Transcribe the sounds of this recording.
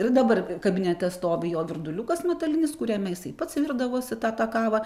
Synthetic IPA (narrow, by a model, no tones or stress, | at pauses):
ɪrd̪ɐbɐrkɐbʲɪnʲɛt̪ʲɛst̪oːʋʲɪjoːʋʲɪrd̪ʊlʲukɐsmʲɛt̪ɐlʲɪnʲɪskʊɾʲɛmʲɛjɪsɐɪpɐt̪sʋʲird̪ɐʋoːsʲɪt̪ɑːt̪ɑːkɑːʋɑ